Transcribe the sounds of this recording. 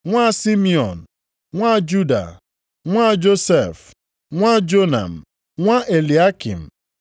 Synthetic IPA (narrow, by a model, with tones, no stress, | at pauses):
ŋʷa˦˨si˦mi˦ɔ˨n̩˨ | ŋʷa˦˨d͡ʒu˦da̰˨ | ŋʷa˦d͡ʒo˦se˨f | ŋʷa˦d͡ʒo˦na̰˨m̩˨ | ŋʷa˦ʔe˨li˨a˦kḭ˨m̩˨